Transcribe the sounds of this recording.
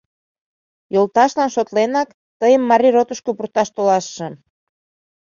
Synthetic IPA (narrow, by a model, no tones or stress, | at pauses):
jolt̪ɑʃlɑnʃot̪lenɑk | t̪əjəmːɑɾʲirot̪əʃkopurt̪ɑʃt̪olɑʃːĕ